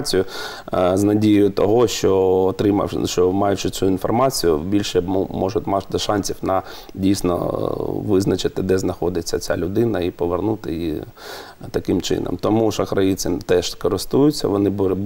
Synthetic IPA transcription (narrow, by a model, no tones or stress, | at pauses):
t͡sʲijʊ | znɐdʲijjʊt̪ɔɦɔʃt͡ʃɔːt̪ɾɪmɐ̰ʃɔmɑjʊt͡ʃɪt͡sʲuinfɔrmɑt͡sʲijʊbʲilʲʃɛmumɔʒʊt̪ʲmɑd̪ɔʃɑnʲsʲiwnɐ | dʲijsʲnɔ̰ʋɪznɐt͡ʃɪt̪ɪd̪ɛznɐxɔd̪ɪt͡sʲːɐt͡sʲa̰lʲʊd̪ɪnɐipɔʋernut̪ɪ̰jḭ | t̪ɐkɪmt͡ʃɪ̰nɔ̰mt̪ɔmuʃɐkɾɐjit͡sʲɪmt̪ɛʃkɔɾɪst̪ujʊt͡sʲːɐ̰ʋɔnɪb